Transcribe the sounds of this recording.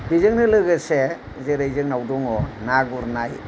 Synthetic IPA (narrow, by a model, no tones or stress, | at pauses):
bizɯŋnɯlɯɡɯse | zeɾejzɯŋnawdɔŋɔnaɡuɾnaj